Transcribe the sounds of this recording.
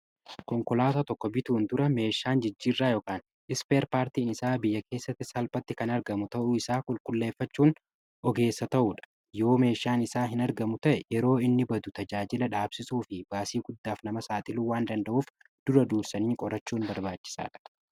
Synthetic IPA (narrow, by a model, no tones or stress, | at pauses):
kɔŋkɔlaːt̪aːt̪ɔkːɔbɪt̪uːnd̪ʊɾɐme̞ːʃaːnd͡ʒɪd͡ʒːiːrːaːjoːkaːn | ʔɪspe̞ːɾpaːɾt̪iːnɪsaːbɪjːɐkʰe̞ːsːɐt̪ːɪsɐlpɐt̪ːɪkɐnɐɾɡɐmʊt̪ɐʔʊɪsaːkʼʊlkʼʊlːe̞ːfːɐt͡ʃːuːn | ʔɔɡe̞ːsːɐt̪ɐʔuːᶑɐ̥ | jo̞ːme̞ːʃaːnɪsaːɦɪnɐɾɡɐmʊt̪ɐʔɛjɛɾo̞ːɪnːɪbɐd̪ʊt̪ɐd͡ʒaːd͡ʒɪlɐᶑaːbsɪsuːfɪb̥aːsiːɡʊd̪ːaːfnɐmɐsaːt̪ʼɪluːwaːnd̪ɐnd̪ɐʔuːf | d̪̥ʊɾɐd̪uːɾsɐniːkʼɔɾɐt͡ʃːuːnbɐɾbaːt͡ʃːɪ̥sa̰ːᶑɐ̥